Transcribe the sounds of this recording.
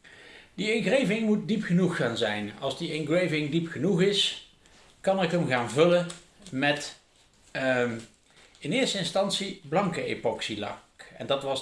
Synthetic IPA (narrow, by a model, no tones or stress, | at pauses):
diɪŋɣrejvɪŋmut̚dipχənuχːaːnzɛjnɑ̰lˠzdiɪŋrejvɪŋdipχənuχɪs | kɑnɪkəmɣaːnvɵlə | mɛt | ɪnɪːɹstəɪnstɑnsiblɑŋkəḛpɔksilɑ̰kɛ̰ndɑtʋɑs